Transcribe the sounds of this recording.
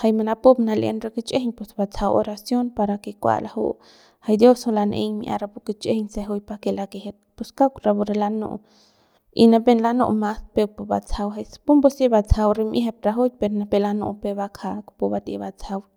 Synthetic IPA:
hajmanapopnaljʔḛnɾaket͡ʃehɲpesbat͡sʰawo̰ɾasjonpaɾakekʷa̰lahṵʔ | hajd̪josholanʔḛɲmḭʔa̰ɾapuket͡ʃehɲseɦujpakelakeɦet̪̚puskakɾabuɾelanṵʔ | ḭnapenlanṵʔmaspepuba̰t͡sʰawɦajspumbosebat͡sʰawɾimʔiɦep̚ɾaɦujpeɾnapelanṵʔpebakʰakpubat̪ḛbat͡sʰaw

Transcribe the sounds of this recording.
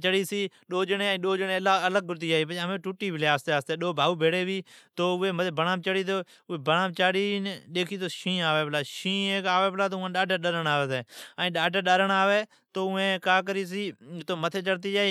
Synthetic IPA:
t͡ʃəɽiːsiː | ɗoːd͡ʒənẽːĩːɗoːd͡ʒəneːlaələɡ̚ːʊɾt̪iːd͡ʒaːiːpːmeːʈuʈːiːbʱɪleːaːst̪eːaːst̪eːɗoːbʱaːuːbʱeːɽeːbiːt̪oːʊeːmət̪eːbəɳãːmt͡ʃəɽiːt̪oː | ʊeːbənãːt͡ʃaːɽiːɗeːkʰiːt̪oːʃĩːaːʋeːplaːʃĩːeːkaːʋeːplaːt̪oːãːɗaːɖəɾɗəɾəɳaːʋeːt̪eːaːĩːɗaːɖəɾɗəɾəɳaːʋeː | t̪oːʊẽːkaːk̬əɾiːs̬iːt̪oːmət̪ʰeːt͡ʃəɽt̪iːd͡ʒaːi

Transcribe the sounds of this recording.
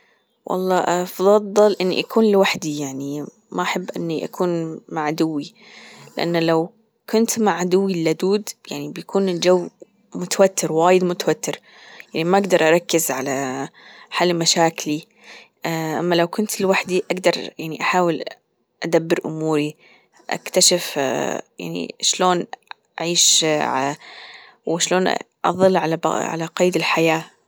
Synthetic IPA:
wʔɑ̰lˤːɑːʔɑfðˤɑd̪ˤɑlʔɪnːḭʔakuːnlɪwaħd̪ijaʕni | maʔaħabːʔɪnːiʔa̰kʰuːnmaʕad̪ʊwːi | lɪʔa̰nːlaw | kʊnt̪maʕd̪ʊwːilːad̪uːd̪jaʕnibjakʰuːnɪld͡ʒawː | mʊt̪awat̪ːɪɾwaːjɪd̪mʊt̪awat̪ːɪɾ | jaʕnimaʔaɡd̪ɑɾˤʔɑɾˤɑkːɪzʕala | ħalːmaʃaːkli | ʔamːalawkʊnt̪ɪlwaħd̪iʔaɡd̪ɑɾˤjaʕniʔaħaːwɪl | ʔad̪abːɪɾʔʊmuːɾi | ʔa̰kt̪aʃɪfja̰ʕnḭʃloːnʔaʕiːʃʕa | wɪʃloːn | ʔɑ̰ðˤɨlːʕalabʕa̰laqɑjːd̪ɪlħajaː

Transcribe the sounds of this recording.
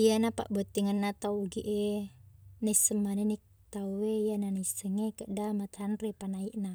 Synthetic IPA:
ijanapa̰ʔbɔt̪ːiŋənːat̪auɡiʔe | nesəmanenik̚ | t̪auweijananisəŋekəʔdamat̪hanrepanaiʔna

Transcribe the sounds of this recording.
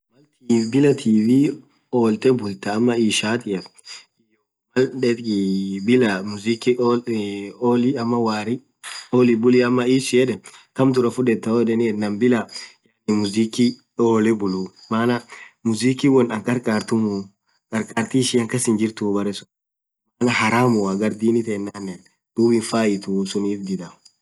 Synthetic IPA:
mɐlt̪iːfbɪlɐt̪ʰiːfɪ | oːlt̪ɛbʊlt̪ɐːmːɐiːʃaːt̪ɪɐ | jɔ | mɐlᶑɛt̪ːbɪlɐmʊziki | ɔliɐmːɐwaːɾɪ | oːlibʊliɐmːɐiːsɪɛᶑɛkɐmt̪ʊɾɐfʊᶑɛt̪ːɐɔᶑ̪ɛnɪɛnɐmbɪlɐjanɪmʊziːki | oːlɛbʊlumaːnɐmʊziːkiwɔnɐŋkʼɐɾkʼaːɾt̪ʊmu | kʼɐɾkʼaːɾt̪iʃiɐŋkɐsɪnd͡ʒɪɾt̪ubɐɾɛsʊ̥ | maːnɐhɐɾaːmʊaɡɐɾd̪iːnɪt̪ɛːnːanːɛn | d̪̥uːbɪnfaːɪt̪usʊniːt̪d̪ɪd̪am

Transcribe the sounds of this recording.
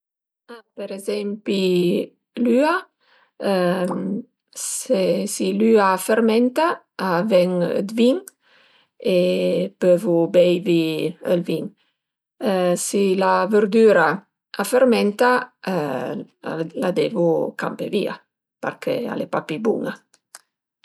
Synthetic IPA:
peɾezɛmpi | lya | sesilyafeɾmɛnt̪a | avɛŋə̰d̪viŋ | epøvubɛjviə̰lviŋ | silavəɾd̪yɾa | afeɾmɛnt̪a | lad̪evuka̰mpevḭa̰ | pa̰ɾkʰḛa̰lepapibṵŋa

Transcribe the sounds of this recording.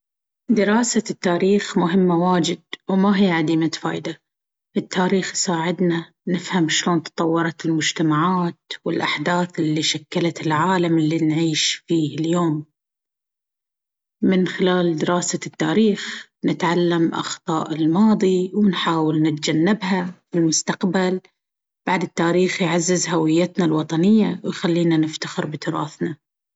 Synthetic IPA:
d̪ɪɾɑːsat̪ːaːɾiːxmʊɦɪmːawaːd͡ʒɪd̪̚wmaɦijːʕad̪iːmat̪fa̰ːʔd̪a | ʔɪt̪ːaːɾiːxsaːʕɪd̪na | nɪfhamʃloːnt̪ɑ̥t̪ˤɑwːɑɾˤɑt̪ɪlmʊd͡ʒt̪amaʕaːt̪wɪlʔaħd̪aːθɪlːiʃakːalat̪ɪlʕaːlamɪlːinʕiːʃfiːhɪljoːm | ɪnxɪlaːld̪ɪɾɑːsat̪ːaːɾiːx | nɪt̪ʕalːamʔɑ̰xt̪ˤɑːʔɪlmɑːðˤiwɪnħaːwɪlnɪt̪̚d͡ʒanːɪbɦafɪlmʊst̪aqbal | b̥aʕd̪ɪt̪ːaːɾiːxjʕazːɪzhawɪjːat̪nalwɑt̪ˤɑnɪjːawjxalːiːnanɪft̪axɪɾbɪt̪ʊɾˤɑ̰ːθna

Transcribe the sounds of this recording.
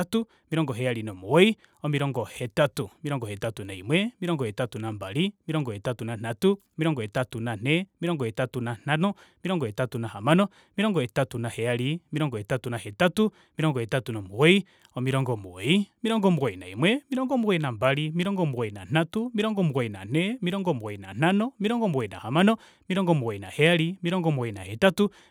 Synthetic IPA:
atu | miɾɔŋɡɔɦɛaɾinɔmuwɛi | ɔmiɾɔŋɡɔhɛtatumiɾɔŋɡɔhɛtatunaḭmwɛmiɾɔŋɡɔhɛtatunambalimiɾɔŋɡɔɛtatunan̥atumiɾɔŋɡɔɛtatunan̥ɛmiɾɔŋɡɔhɛtatunan̥anɔmiɾɔŋɡɔhɛtatunahamanɔ | miɾɔŋɡɔɛtatunahɛalimiɾɔŋɡɔɛtatunahɛtatu | miɾɔŋɡɔɛtatunɔmuwɛi | ɔmiɾɔŋɡɔmuwɛimiɾɔŋɡɔmuwainaimwɛmiɾɔŋɡɔmuwɛinambalimiɾɔŋɡɔmuwɛina̰n̥atumiɾɔŋɡɔmuwaina̰nɛmiɾɔŋɡɔmuwaina̰n̥anɔmiɾɔŋɡɔmuwɛina̰hamanɔ | miɾɔŋɡɔmuwɛina̰hɛaɾimiɾɔŋɡɔmuwɛinahɛtatu

